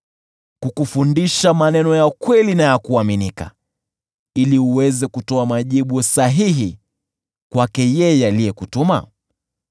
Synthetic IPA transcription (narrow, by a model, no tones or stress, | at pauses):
kukufundiʃamanɛnɔjakwɛlinajakuaminika̰ | iliuwɛzɛkutɔamaʄiɓusaɦiɦi | kwakɛjɛjɛalijɛkutuma̰